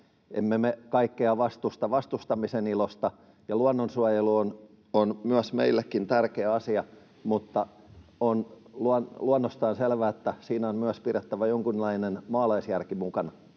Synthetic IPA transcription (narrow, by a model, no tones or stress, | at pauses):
ʔḛmːemekɑikːeɑʋɑst̪ust̪ɑʋɑst̪ust̪ɑmisenilost̪ɑ | jɑluɑnːonsuɑjeluon | onmyæsmḛilːekːint̪ærkeːɑsiɑ | mut̪ːɑ | on | luɑnluɑnːost̪ɑːnselʋæet̪ːæsiːnæonmyæspiret̪ːæʋæjoŋkunlɑinenmɑːlɑisjærkimukɑn